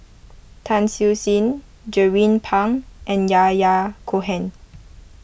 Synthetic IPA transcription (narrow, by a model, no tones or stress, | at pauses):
tʰãnsisĩn | d͡ʒɛɹĩnpʰãŋʔɛ̃njajakʰoɦɛ̃n